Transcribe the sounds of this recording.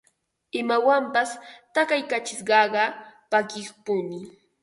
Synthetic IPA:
ɪmawampast̪akajkat͡ʃɪsɢɑɢɑpakɪχpʊnɪ

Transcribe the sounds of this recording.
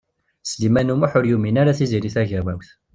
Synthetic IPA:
slimænumaħʊɾjuminaɾaθiziɾiθæʝæwæ̰wθ

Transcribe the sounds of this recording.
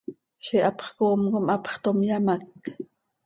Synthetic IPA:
ʃiʔɑpχkoːmkomʔɑpχt̪omjamak

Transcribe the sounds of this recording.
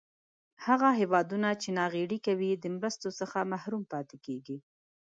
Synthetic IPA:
haɣaɦewɑd̪unat͡ʃenɑɣeɽikawid̪əmɾəst̪osəxamahɾumpɑt̪ekeɡi

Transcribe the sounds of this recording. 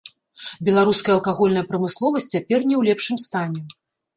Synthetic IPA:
bʲɛlˠaɾuskɐjɐlˠkaɣɔlʲnɐjɐpɾɐmɨslˠɔvɐsʲtʲt͡sʲt͡sʲːapʲɛrnʲɛwlʲɛpʂɨmst̪anʲɛ

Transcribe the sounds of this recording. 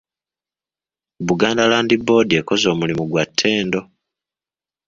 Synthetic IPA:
βuɡaːndalaːndibːo̞ːdie̞ko̞zo̞ːmulimuɡwatʰːe̞ːndo̞

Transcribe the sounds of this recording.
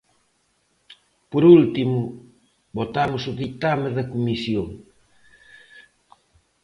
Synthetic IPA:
poɾult̪imʊ | bot̪amʊsʊðik̚t̪ameðɐkumisjoŋ

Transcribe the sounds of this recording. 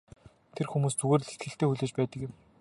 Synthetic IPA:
t̪ʰerxumuːst͡suɣeːr̆ɮet̪̚ɡɘ̆ɬt̪eːxuɮeːt͡ɕpæːt̪ə̆kjɪ̆m

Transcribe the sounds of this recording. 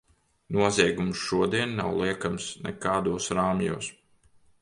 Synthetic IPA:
nuɔzʲiɛɡumsʃuɔd̪iɛnːa̰wlˠiɛkamsnɛ̰kaːd̪uɔsɾaːmjṵːs

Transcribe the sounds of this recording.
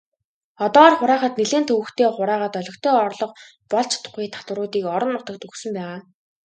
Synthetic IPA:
ɔt̪ɔːɔːrχʊɾæːχə̆t̪neɮeːnt̪ʰɵwɘ̆xt̪ʰeːχʊɾæːʁəːt̪œɮʲɞ̆kt̪ʰeːɔrɮɞ̆q | pɔɮt͡ɕʰt̪ʰʊ̥χiːt̪ʰḁt̪wə̆ɾʊːt̪iːkɔɾɞ̆nːʊt̪ə̆k̚t̪ɵxsɵ̆mpæːʁaː

